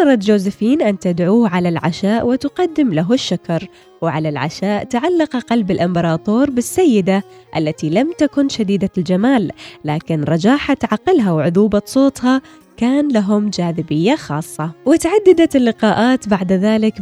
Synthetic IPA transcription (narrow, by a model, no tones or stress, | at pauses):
ɑɾˤɑt̪d͡ʒoːzɪfiːnʔant̪ad̪ʕuːʕalalʕaʃaːʔwɪt̪ʊqɑd̪ːɪmlaɦʊʃːakɑɾˤ | wɪʕalalʕa̰ʃaːʔt̪aʕalːɑqʔaqɑlbɪlʔɪmbɑɾˤɑːt̪ˤoːɾˤbɪsːajːɪd̪aʔa̰lːat̪ilamt̪akʊnʃad̪iːd̪ald͡ʒamaːlːaːkɪnɾˤɑd͡ʒaːħat̪ʕaqːɪlɦawʕʊðuːbɑsˤoːt̪ˤhɑ | kaːnlaɦʊmd͡ʒaːðɪbɪjːaxɑːsˤːɑwɪt̪ʕad̪ːɪd̪at̪ɪlːɪqɑːʔaːt̪baʕd̪ðaːlɪk